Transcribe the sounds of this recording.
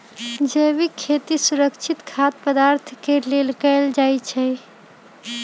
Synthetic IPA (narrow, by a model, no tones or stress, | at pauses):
d͡ʒebikʰet̪isuɾəkt͡ʃʰit̪kʰat̪̚pəd̪aɾt̪ʰkelelkɛɪld͡ʒajt͡ʃʰɛ